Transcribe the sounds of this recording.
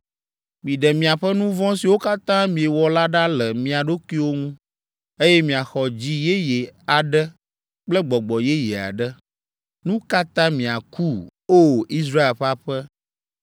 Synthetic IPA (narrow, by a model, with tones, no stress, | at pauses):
mĩ˨ɖɛ˨mĩ˨a˨ɸɛ˦nũ˦vɔ̃˦si˨wo˦ka˦t̪ã˦mĩ˨e˨wɔ˨la˦ɖa˦lɛ˨mĩ˨a˨ɖo˦ki˦wo˦ŋũ˦ | e˦jɛ˦mĩ˨a˨xɔ˨d͡ʑi˦je˦jɛ˨a˨ɖɛ˦ | k͡plɛ˦ɡ͡bɔ˨ɡ͡bɔ˨jɛ˦jɛ˨a̰˨ɖɛ˦ | nũ˦ka˦t̪ã˦mĩ˨a˨ku˦o˦˨i˦s̬ɾa˦e˨lɸa˦ɸɛ˦